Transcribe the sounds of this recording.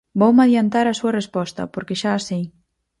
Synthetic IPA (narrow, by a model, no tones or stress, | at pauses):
bowmaðjant̪aɾasuɐrespɔst̪ɐ̰poɾkeʃaːsej